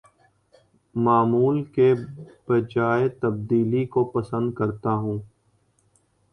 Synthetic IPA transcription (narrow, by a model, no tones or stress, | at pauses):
maːmuːlkebəd͡ʒaːet̪ɐb̚d̪iːlikopɐsə̃nd̪̚kɐɾt̪aɦũː